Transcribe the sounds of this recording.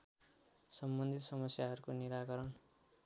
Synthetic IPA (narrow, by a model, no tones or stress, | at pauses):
sʌmbʌnd̪ʱit̪sʌmʌsjaɦʌɾukoniɾaɡʌɾʌn